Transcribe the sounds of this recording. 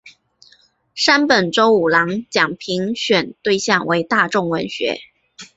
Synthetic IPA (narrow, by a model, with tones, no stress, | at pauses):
ʂa˥npə˨˩nʈ͡ʂo˥ʊu˨˩lɑ˧˥ŋt͡ɕjɑ˨˩ŋpʰi˧˥ŋɕɥɛ˨˩nt̪we˥˧ɪɕjɑ˥˩ŋwe˧˥ɪt̪a˥˧ʈ͡ʂʊ˥˩ŋwə˧˥nɕɥɛ̰˧˥